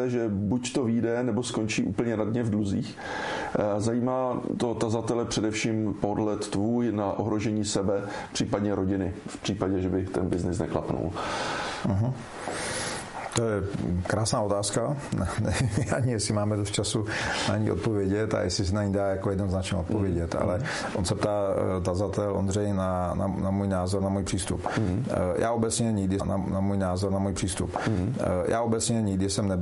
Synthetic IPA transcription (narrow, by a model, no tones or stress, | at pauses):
ɛʒɛbuct̪oviːdɛnɛbo̞sko̞nt͡ʃiːʔṵːpl̩ɲɛnadɲɛvdluziːx | zajiːmaːt̪o̞t̪azat̪ɛlɛpr̝̥ɛdɛfʃiːmpodlɛt̪ːvuːjnaʔo̰ɦɾo̞ʒɛɲiːsɛbɛ | pr̝̥iːpadɲɛɾo̞ɟɪnɪfpr̥iːpaɟɛʒɛbɪt̪ɛnbɪznɪsnɛ̰kla̰pnṵl̩ | ɦ̩ | t̪ojɛkɾaːsnaːo̞t̪aːska | ʔaɲɪjɛsɪmaːmɛdost̪̚t͡ʃasunaɲiːʔot̪̚povjɛɟɛt̪a̰jɛsɪs̬ɛnaɲidaːjakojɛdnoznat͡ʃɲɛot̪̚povjɛɟɛt̪a̰lɛ | ʔonsɛpt̪aːt̪azat̪ɛlʔondrɛjnana̰namuːjnaːzoɾnamuːjpr̥iːst̪up | jʔaːʔobɛt͡sɲɛɲɪɡdɪna̰namuːjnaːzoɾnamuːjr̥iːst̪ṵp | jʔaːobɛt͡sɲɛɲɪɡdɪsɛmnɛ